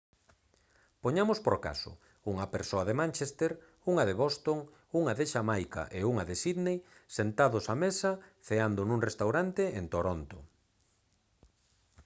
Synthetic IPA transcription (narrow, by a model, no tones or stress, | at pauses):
poɲamospoɾka̰sʊ̰ | uŋɐpeɾsoaðemãnt͡ʃest̪eɾ | uŋɐðeβost̪oŋ | uŋaðɪʃamajka̰ʔeuŋaðesiðnejsent̪aðʊsamesɐθeand̪onũŋrest̪awɾant̪eent̪oɾont̪ʊ